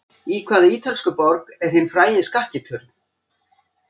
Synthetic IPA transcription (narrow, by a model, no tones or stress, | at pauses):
iːkʰvaːðɪiːt̪ʰalskʏpɔɾkɛɾ̥hejnfɾaːjɪskahcɪt̪ʰʏɾn